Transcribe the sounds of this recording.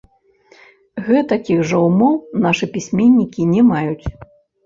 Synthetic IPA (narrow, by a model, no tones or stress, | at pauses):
ɣɛt̪akʲiɣʐɐwumɔwnaʂɨpʲisʲmʲenʲːikʲinʲɛmajut͡sʲ